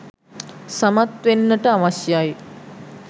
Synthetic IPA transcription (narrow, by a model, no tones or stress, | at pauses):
samat̪ʋenːəʈəaʋasjaj